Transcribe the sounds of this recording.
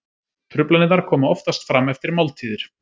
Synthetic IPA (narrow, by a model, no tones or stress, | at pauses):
t̪ʰɾʏplanɪaɾ̥kʰɔːmaɔft̪ast̪fɾamɛft̪ɪɾmawlt̪ʰiːðɪɾ̥